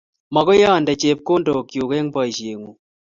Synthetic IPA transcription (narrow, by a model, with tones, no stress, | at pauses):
ma˨kɔ˦jaː˦˨ndɐ˨t͡ʃe˨p̚koː˦ndɔ˨kjo˨kɛ˦ŋba˨i˨ʃje˨ŋu˨